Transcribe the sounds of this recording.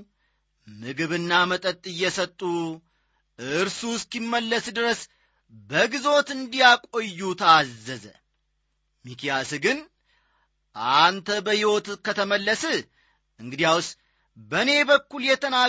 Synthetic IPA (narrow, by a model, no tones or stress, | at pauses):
mɨɡɨβɨnːamət̪ʼət̪ʼːɨjːɛsət̪ʼːu | ɨɾsuskimːəlːəsd̪ɨɾəs | bəɡizo̞t̪ɨnd̪ijakʼo̞jːut̪ʰazːəzə̰ | mikijasɡɨn | ʔant̪ʰəbəhiwo̞t̪kət̪ʰəməlːəsɨ | ʔɨŋɡɨd̪ijaws | bəne̞bəkːuljɛt̪ʰəna